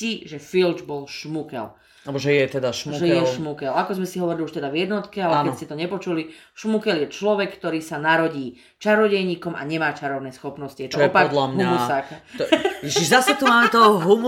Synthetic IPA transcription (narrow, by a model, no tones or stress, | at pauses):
iʒɛfild͡ʒbɔlʃmukɛ̰l | albɔʒɛjɛt̪ɛd̪aʃmuʒɛjɛʃmukɛlakɔzmɛsiɦɔʋɔɾiliuʃt̪ɛd̪avjɛd̪nɔt̪kɛalɛkɛscɛt̪ɔɲɛpɔt͡ʃuli | ʃmukɛljɛt͡ʃlɔʋɛkkːt̪ɔɾiːsanaɾɔɟiː | t͡ʃaɾɔɟɛjɲiːkɔma̰ɲɛmaːt͡ʃaɾɔʊnɛjsxɔpnɔscijɛt̪ɔɔɛɔpad̪lamɦuamsak | iʃiʒzasɛt̪umaːmɛt̪ɔɦum